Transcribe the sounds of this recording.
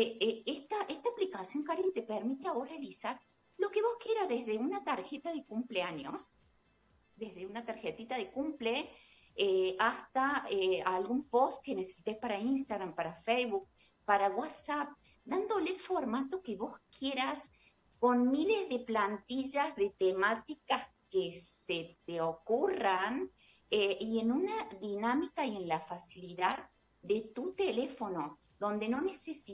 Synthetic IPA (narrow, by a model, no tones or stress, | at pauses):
eeest̪aʔest̪aːplikasjo̞ŋkaɾit̪epeɾmit̪eaβorealisaɾ | lo̞keβo̞skje̞ɾazðezðeunat̪aɾxet̪aðekumpleaɲos | d̪ezðeunat̪aɾxet̪it̪aðekumple | east̪aealɣumpost̪̚kenese̥si̥t̪ejspaɾainst̪aɣɾampaɾafejβuk̚ | paɾawasap̚ | d̪and̪olefoɾmat̪okeβo̞skjeɾas | ko̞nmilezðeplant̪iʒazðet̪emat̪ikaskeset̪eokuran | eienunaðinamikaiẽ̞nlafasiliðað | d̪et̪ut̪elefo̞no | d̪õ̞nd̪eno̞nesesi